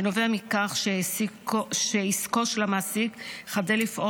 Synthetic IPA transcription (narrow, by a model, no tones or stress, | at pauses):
noveamikaχʃe | ʃeiskoʃelamasikχadelifʔo